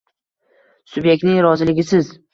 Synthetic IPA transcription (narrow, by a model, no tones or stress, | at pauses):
sʊbje̞k̚ʲt̪nɪŋɾɒzɪlɪɡʲɪsɪz